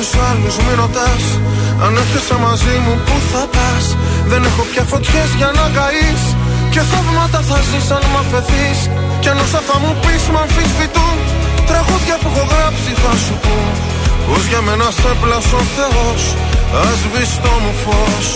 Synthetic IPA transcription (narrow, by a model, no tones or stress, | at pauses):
usɐluzmiɾo̞t̪ɐsɐ̰nefθisɐmɐzimupuθɐt̪ɐsðe̞ne̞xo̞pçɐfo̞t̪çe̞zʝɐnɐɡɐisce̞θɐvmɐt̪ɐθɐzisɐnmɐfe̞θis | cnosɐθɐmupismɐɱfizðit̪unt̪ɾɐɣuðʝɐfiɣo̞ɣɾɐpsiθɐsupu | pozʝɐme̞nɐsθeplɐsoθe̞os | ɐzvist̪o̞mufo̞s